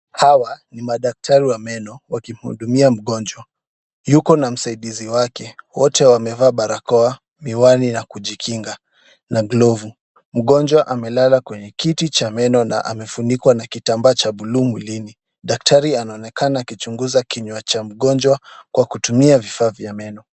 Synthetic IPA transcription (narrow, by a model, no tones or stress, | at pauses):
hawanimaɗak̚tʰaɾiwamɛnɔwakim̩hṵɗumiam̩ɠɔnd͡ʒwa | jukɔnam̩saiɗiziwakɛwɔtɛwamɛvaːɓaɾakɔa | miwaninakuʄikʰiŋɡa | naɡlɔvu | m̩ɠɔnd͡ʒwaʔamɛlalakwɛɲɛkitit͡ʃamɛnɔna̰ʔa̰mɛfunikwanakitambaːt͡ʃaɓulumwilini | ɗak̚tʰaɾianaɔnɛkanaːkit͡ʃuŋɡuzakiɲwat͡ʃam̩ɠɔnd͡ʒwakwakutumiavifaːvjamɛnɔ